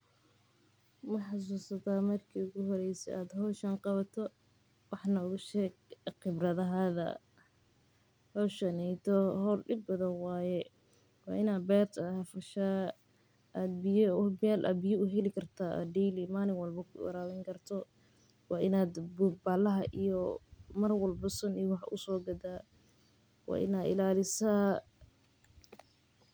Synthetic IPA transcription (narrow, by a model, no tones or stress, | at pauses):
mɐħɑs̬uːsɐt̪ʰaːmɐrkʰiːʊɣʊɦɔɾɛjsɛ̰ʔaːd̪hɔʃɐnqɑβɐt̪ʰɔ | wɑħnɐʊɣʊʃɛːɡ̚qɪbrɐðɐɦaːðɐ̰ | hɔːʃɐnɛjt̪ʰɔhɔrɖɪb̚bɐðɐnwɑːjɛ | wɑ̰ːʔɪnaːd̪bɛːrt̪ʰɐhɐfɐʃaː | ʔad̪̚bɪjbaːlʔa̰ːd̪bɪjɔʊɦɛlɪkʰɐrt̪ʰaːʔɐ̰d̪ɛjlimaːlɪŋwɐlbɐkʰʊwɐ̰ɾaːwɛŋkʰɐrt̪ʰɔ | wɑːʔɪnaːd̪bʊbaːlɐɦɐʔḭjɔmɐrwɐlbɔsɐnijɔwɑħɑʔʊsɔːɡɐd̪aː | wɑ̰ːʔɪ̰naːd̪ɪ̰laːlɪsaː